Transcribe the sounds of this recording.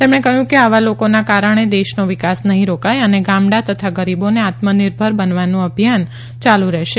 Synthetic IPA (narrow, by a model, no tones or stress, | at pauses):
t̪emɳ̃ekəɦjũkeaʋalokonakaɾəɳ̃ed̪eʃnoʋikasnəɦĩɾokajəneɡãmɽat̪ət̪ʰaɡəɾiboneat̪mənɪɾbʱəɾbənʋanũəbʱjan | t͡ʃalũɾɛʃe